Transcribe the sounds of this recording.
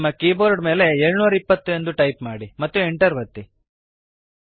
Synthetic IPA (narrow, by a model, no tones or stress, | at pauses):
mːɐkiːboːɾɖme̞ːle̞eːɭunuːɾɐipːɐt̪ːue̞nd̪uʈɐjpmaːɽimɐt̪ːueɳʈɐɾʋɐt̪ːi